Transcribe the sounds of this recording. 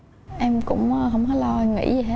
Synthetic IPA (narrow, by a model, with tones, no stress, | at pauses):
ʔɛ˧mkʊ̰˧˥ŋ͡mɦə˧wŋ͡mhɔ˨˦lɔ˧ŋḭ˧˥zi˨˩ɦaː˦